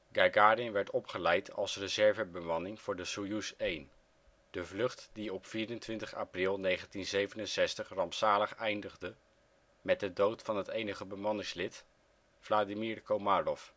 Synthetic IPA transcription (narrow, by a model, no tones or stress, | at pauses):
ɡaɡaːɾɪnʋɛɹtɔpχəlɛjtʰɑ̰lˠsrəzɛɹvəbəmɑnɪŋv̥ʊːɹdəsujusejn | d̥əvlɵχtd̥iɔpfiːɾəntʋɪntəχa̰ːprɪlˠnejχəntinzejvənənsɛstəχrɑmpsaːləχɛjndəχdə | mɛt̚dədowtfɑnɦətejnəχəbəmɑnɪŋslɪt | v̥laːdimiɹkomaːrɔf